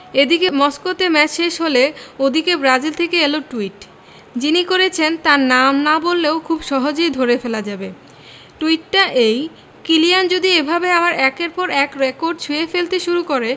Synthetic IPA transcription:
ed̪ikemɔskot̪emɛt͡ɕʃeʃɦoleod̪ʱikebɾad͡ʑilt̪ʰekeeloʈuiʈ | d͡ʑinikoɾet͡ɕʰent̪aɾnamnabolːeokʰubʃɔɦod͡ʑejd̪ʱoɾefelad͡ʑabe | ʈuiʈːaʔej | kilijand͡ʑod̪iebʱabeamaɾɛkeɾpɔɾɛkɾekoɾɖt͡ɕʰuefelt̪eʃuɾukoɾe

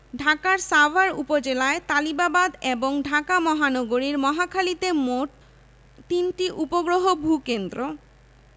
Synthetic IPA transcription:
ɖʱakaɾsabʱaɾupod͡ʑelaet̪alibabad̪eboŋɖʱakamɔɦanɔɡoɾiɾmɔɦakʰalit̪emoʈ | t̪inʈiʔupoɡɾoɦobʱukend̪ɾo

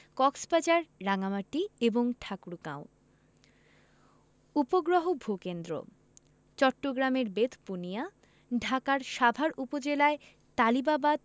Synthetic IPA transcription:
kɔkspad͡ʑaɾːaŋamaʈːieboŋʈʰakɾukã̰o | upoɡɾoɦobʱokend̪ɾo̰ | t͡ɕɔʈːoɡɾameɾbet̪punija | ɖʱakaɾʃabʱaɾupod͡ʑelae | t̪alibabad̪̚

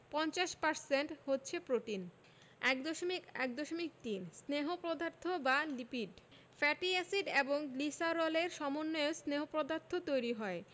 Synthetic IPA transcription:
pɔnt͡ɕaʃpaɾseɳʈhotːɕʰepɾoʈin | ɛkd̪oʃomikɛ̰k̚d̪oʃomik̚ʈ̪insneɦopɾod̪ʱaɾt̪ʰːobalipiɖ | fɛʈiɛsiɖeboŋlisaɾɔleɾʃɔmonːoosneɦopɾod̪aɾt̪ʰot̪ojɾiɦɔe

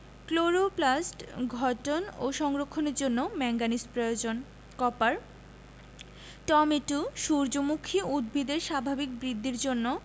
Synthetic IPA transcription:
kloɾoplasʈɡʱɔʈono̰ʃɔŋɾokʰːoneɾd͡ʑonːomɛŋɡanispɾojod͡ʑon | kɔpaɾ | ʈɔmeʈuʃuɾd͡ʑomukʰːiud̪̚bʱid̪eɾʃabʱabik̚bɾid̪ʱːiɾd͡ʑonːo

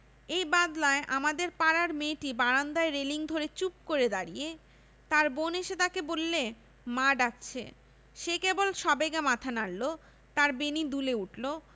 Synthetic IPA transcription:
ejbad̪laeʔamad̪eɾpaɾaɾmeʈibaɾand̪aeɾeliŋd̪ʱoɾet͡ɕup̚koɾed̪aɾije | t̪aɾboneʃet̪akebolːe | maɖakt͡ɕʰḛ | ʃekebolʃɔbeɡemat̪ʰanalːo | t̪aɾbenid̪uleuʈlo

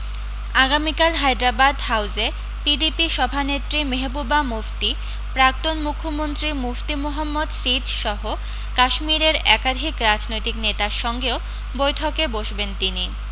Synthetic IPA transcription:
aɡamikalɦajd̪ɾabad̪ɦawd͡ʑe | piɖipiʃɔbʱanet̪ːɾimeɦbubamuft̪i | pɾak̚t̪onmukʰːomont̪ɾimuft̪imoɦamːod̪sit̪ʃɔɦo | kaʃmiɾeɾɛkad̪ʱikɾad͡ʑnojt̪iknet̪aɾʃɔŋɡeo | bojtʰokeboʃbent̪ini

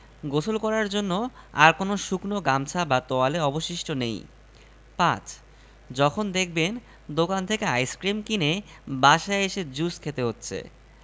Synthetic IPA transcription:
ɡot͡ɕʰolkɔɾaɾd͡ʑonːoa̰ɾkonoʃuknoɡamt͡ɕʰabat̪ɔaleɔboʃiʃʈonḛj | pã̰t͡ɕʰ | d͡ʑɔkʰond̪ek̚ʰben | d̪okant̪ʰekeajskɾimkine | baʃaeʃed͡ʑuskʰet̪eɦotːɕʰḛ

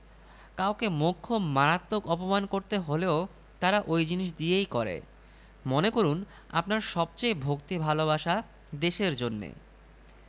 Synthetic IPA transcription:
kawkemokʰːomaɾat̪ːokɔpomankoɾt̪eɦoleo | t̪aɾaʔojd͡ʑiniʃ̬d̪iejkɔɾḛ | monekoɾun | a̰pnaɾʃɔb̚t͡ɕejbʱokt̪ibʱaloβaʃa | d̪eʃeɾd͡ʑonːḛ

